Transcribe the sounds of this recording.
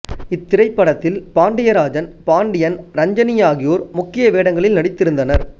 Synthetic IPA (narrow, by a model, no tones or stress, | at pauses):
ɪt̪ːɪɾɐɪpːɐɽɐt̪ːɪlpaːɳɖɪjɐɾaːd͡ʒɐnpaːɳɖɪjɐnɾɐɲd͡ʒɐnɪjaːɣɪjoːɾmʊkːɪjɐʋeːɽɐŋɡɐɭɪlnɐɽɪt̪ːɪɾɯnd̪ɐnɐɾ